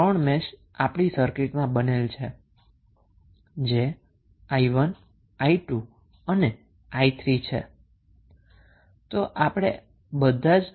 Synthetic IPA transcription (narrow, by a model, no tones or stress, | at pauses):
əɳmɛʃ | apɽ̃isəɾkɪʈmãbənelt͡ʃʰe | d͡ʒe | aiʋən | aiʈu | əne | ait̪ʰɾit͡ʃʰḛ | t̪oʔapɽ̃ḛ | bəd̪ʱad͡ʒ